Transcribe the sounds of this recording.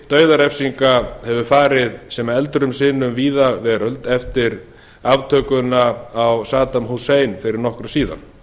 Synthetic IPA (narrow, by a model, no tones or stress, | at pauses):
t̪œːɥðaɾɛfsiŋkahɛvʏfaːɾɪðsɛmaɛlt̪ɾʏmsɪːnʏmviːðavɛːɾœlt̪ɛft̪ɪɾ | avt̪ʰœːkʏnaːwsaːt̪amɦuseːjnfɪɾɪɾnɔhkɾʏsiːða̰n